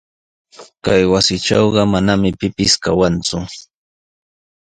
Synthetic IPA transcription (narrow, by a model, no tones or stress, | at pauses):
kajwasɪʈ͡ʂɑwɢɑmanamɪpɪpɪskawant͡sʊ